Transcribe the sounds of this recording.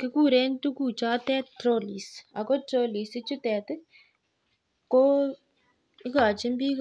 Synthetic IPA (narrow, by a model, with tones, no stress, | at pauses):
kɪ˦ku˦˨ɾe˦n˦tu˦kuː˨t͡ʃa˦tɛ˦tɾo˦li˨sa˨kɔ˦to˦li˨sɪ˦t͡ʃu˦tɛ˨t | kɔ˦ | ɪ˦ka˨t͡ʃɪ˦mbi˦k